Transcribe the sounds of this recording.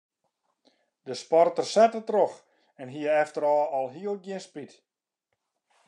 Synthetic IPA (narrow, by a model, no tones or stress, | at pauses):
d̥əspɔrtərsɛtətrox | ɛnɦiəɛftəɾɔːɔlˠɦiəlˠɡjɪnspit